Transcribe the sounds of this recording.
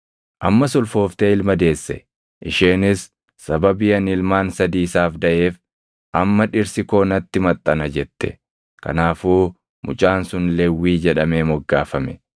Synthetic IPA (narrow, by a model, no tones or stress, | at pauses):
ʔɐmːɐsɔlfo̞ːft̪eːɪlmɐd̪e̞ːsːɛ̰ | ʔɪʃeːnɪsː | ɐbɐbɪjɐnɪlmaːnsɐd̪iːsaːfd̪ɐʔe̞ːf | ʔɐmːɐᶑɪɾsɪko̞ːnɐt̪ːɪmɐt̪ʼːɐnɐd͡ʒɛt̪ːɛ̥ | kɐ̰naːfuː | mʊ̰t͡ʃʼaːnsʊnlɛwːiːd͡ʒɛᶑɐmeːmɔɡːaːfɐmɛ